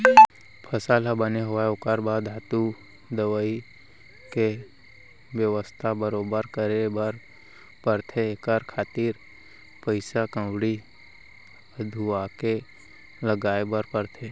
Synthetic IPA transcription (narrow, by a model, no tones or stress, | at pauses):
pʰəsaːlabəneɦʊʋaokəɾbaːd̪ɦat̪u | d̪əʋəi | ke | ʋjəʋəst̪ʰabəɾoːbəɾkəɾebəɾ | pəɾt̪ʰeːkəɾkʰaːt̪iɾ | pəɪsakə̃ʋɽi | əd̪ʱuake | ləɡaːebəɾpəɾt̪ʰe